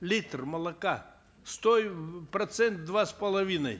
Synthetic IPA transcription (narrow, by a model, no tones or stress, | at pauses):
lʲit̪rmɐlˠɐka | st̪ojpɾɐt̪sɛnt̪̚d̪vaspɐlˠɐvʲinə̰j